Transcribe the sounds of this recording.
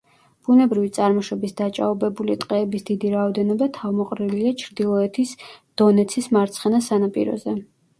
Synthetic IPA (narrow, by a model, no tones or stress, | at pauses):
b̥unɛbɾivit̪sʼaɾmɔʃɔbisd̪at͡ʃʼa̰ɔbɛbulit̪ʼqʼɛːbisd̪̥id̪iɾaɔd̪ɛnɔbat̪ʰavmɔqʼɾiliat͡ʃʰɾd̪ilˠɔɛt̪ʰisd̪̥ɔnɛt̪sʰismaɾt̪sʰχɛnasanapʼḭɾɔ̰zɛ